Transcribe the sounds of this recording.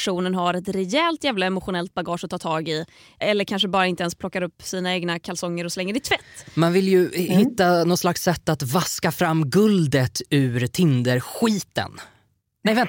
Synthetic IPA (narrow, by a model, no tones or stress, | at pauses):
ʂuːnənɦaɾɛt̪ɾɛjɛːlt̪jæːvlaɛmʊɧʊnɛlt̪̚baɡɑːʂɔt̪ʰɑːt̪ʰɑːɡɪ | ʔɛlːəɾkʰanʂəbɑːɾaɪnt̪əɛnspʰlɔkːaɾɵpːsiːnaeːɡnakʰalsɔŋːəɾɔslɛŋːəd̪ɪt̪ʰvɛt̪ːmanvɪljɵhɪt̪ːanɔt̪slaksːɛt̪ːat̪vaskafɾamːɡɵld̪ət̪ʉːɾt̪ʰɪnd̪əɾɧiːt̪ə̰n | nɛjvɛn